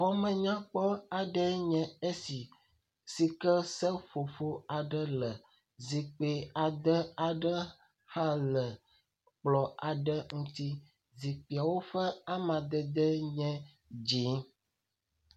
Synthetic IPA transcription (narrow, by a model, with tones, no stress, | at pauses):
xɔ˦mɛ̃˨ɲã˦k͡pɔ˦a˨ɖɛ˦ɲɛ̃˨e˦si˨ | si˨kə˦sɛ˦fo˨fo˦a˨ɖə˦lə˨ | zi˨k͡pe˨a˨d̪ə˦a˨ɖə˦ | hã˦lə˨ | k͡plɔ˨a˨ɖə˦ŋũ˦t̪i˦ | zi˨k͡pi˨a˨wo˦ɸɛ˦a˦mã˨d̪ə˦d̪ɛ˦ɲɛ̃˦ | d͡ʒi˨˦ŋ